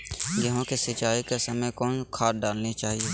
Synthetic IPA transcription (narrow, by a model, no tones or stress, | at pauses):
jəɦõkesɪt͡ʃaːikesɐməjkɔːnkʰaːt̚ɖaːlnit͡ʃaːɦieː